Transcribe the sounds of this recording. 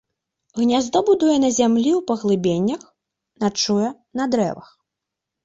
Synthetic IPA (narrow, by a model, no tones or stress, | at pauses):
ɣnʲazd̪ɔbud̪ujɛnɐzʲamlʲiwpɐɣlˠɨbʲenʲːɐx | nat͡ʂujɛ | nɐd̪ɾɛ̰vɐ̰x